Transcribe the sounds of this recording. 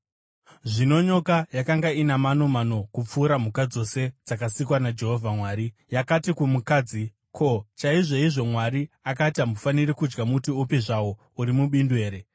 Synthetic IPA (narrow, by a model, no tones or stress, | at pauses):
ʐino̞ɲo̞kajakaŋɡainamano̞mano̞kup͡fuːɾamukad͡zo̞se̞d͡zakasikwanad͡ʒe̞ɦovʱamwaːɾijakatikumukaːd͡zi | kʰo̞t͡ʃaiʐo̞iʐo̞mwaɾi | akatamufanirikud͡ʒɡamutiupiʐawo̞ | uɾimuɓindwe̞ːɾe̞